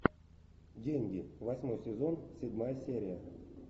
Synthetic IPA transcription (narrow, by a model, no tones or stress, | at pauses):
dʲenʲɡʲivɐsʲmo̞jsʲɪzonsʲɪdʲmajəsʲeɾʲɪjə